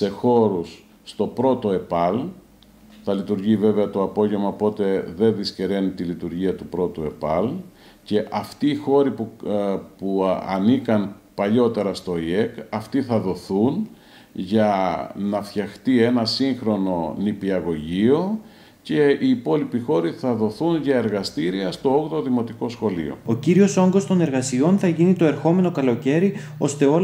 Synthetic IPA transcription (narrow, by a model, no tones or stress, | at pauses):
se̞xo̞ɾusː | t̪o̞pɾo̞t̪o̞e̞pɐl | θɐlit̪uɾʝive̞ve̞ɐt̪o̞ɐpo̞ʝevmɐpo̞t̪e̞ðe̞ðisce̞ɾe̞nit̪ilit̪uɾʝiɐt̪upɾo̞t̪ue̞pɐl | ce̞ʔɐft̪iːxo̞ɾip | puɐ̰nikɐnpɐʎo̞t̪e̞ɾɐst̪o̞iekɐft̪iθɐðo̞θun | ʝɐnɐfçɐxt̪ie̞nɐsiŋxɾo̞no̞nipiɐɣo̞ʝio̞ | ce̞iːpo̞lipixo̞ɾiθɐðo̞θunʝɐe̞ɾɣɐst̪iɾiɐst̪o̞oɣt̪oðimo̞t̪iko̞sxo̞lḭo̞̰o̞ciɾio̞so̞ŋɡo̞st̪o̞ne̞ɾɣɐsio̞nθɐʝinit̪o̞e̞ɾxo̞me̞no̞kɐlo̞ce̞ɾio̞st̪e̞o̞